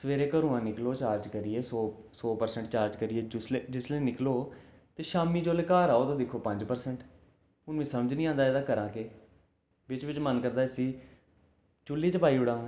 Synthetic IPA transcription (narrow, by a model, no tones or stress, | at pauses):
səʋeːɾeːkəɾuːãːnɪkloːt͡ʃaːɾd͡ʒkəɾieːsoːsoːpəɾsɛ̃ɳʈt͡ʃaːɾd͡ʒkəɾɪeːʊslːd͡ʒɪsleːnɪkloː | t̪eːʃaːmiːd͡ʒoːleːkaːɾaːoːt̪õːd̪ɪkʰːoːpə̃ɲd͡ʒpəɾsɛɳʈ | ʊnʋĩːsəməd͡ʒnĩːãːnd̪aːeːd̪aːkəɾãːke | ʋɪt͡ʃʋɪt͡ʃmənkəɾd̪aːəsĩː | t͡ʃʊlːiːt͡ʃəpaːiːʊɽãː